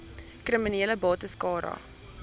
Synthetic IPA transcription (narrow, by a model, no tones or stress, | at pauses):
krəminiːləbɑːtəskɑːɾɐ̰